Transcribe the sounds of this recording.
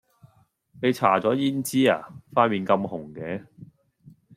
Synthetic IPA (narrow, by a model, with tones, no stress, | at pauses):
ne˨˧jt͡sʰa̰ː˨˩t͡sɔː˨˥jiː˥nt͡siː˥a̰ː˨˩faː˧˥nmiː˨nkɐ˧mhʊ˨˩ŋkɛː˨˧˥